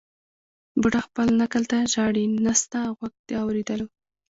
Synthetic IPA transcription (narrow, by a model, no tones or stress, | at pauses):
buʈaxpəlnakəlt̪aʒɑɽinast̪aɣwaɡ̚d̪eɑwɾed̪əlo